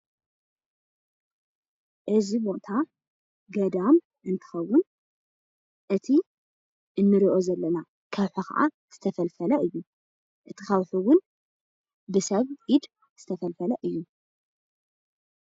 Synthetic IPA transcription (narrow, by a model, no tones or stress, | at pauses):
ʔɨzibo̞t̪ʰa | ɡɐd̪am | ɨnt̪ʰɨ̥xɐwːʊn | ʔɨt̪ʰi | ʔɨnːɨɾiʔozɐlːɐna | kʰɐwħuxɐ̰ʔa̰ | z̥ɨt̪ʰɐfɐlfɐlɐʔɨjːu | ʔɨt̪ʰɨxɐwħuwʊn | bɨsɐβʔid̪ | z̥ɨt̪ʰɐfɐlfɐlɐʔɨjːu